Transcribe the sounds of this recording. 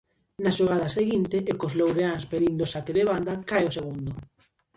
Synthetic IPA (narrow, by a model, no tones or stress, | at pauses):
naʃoɣ̞aðɐseɣint̪eʔːkozlowɾeanspeɾind̪osakeðeβand̪akajoseɣ̞und̪ʊ